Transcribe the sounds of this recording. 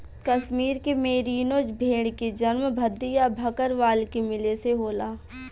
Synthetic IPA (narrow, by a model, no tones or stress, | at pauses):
kɐʃmiːɾkemeːɾiːnoːd͡ʒbʱeːɽ̃ked͡ʒɐnmbʱɐd̪ːijabʱɐkəɾʋaːlkemɪleseɦoːlaː